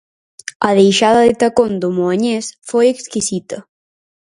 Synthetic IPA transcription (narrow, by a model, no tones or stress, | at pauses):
ɐðejʃaðɐðɪt̪akond̪ʊmoaɲesfojekskisit̪ɐ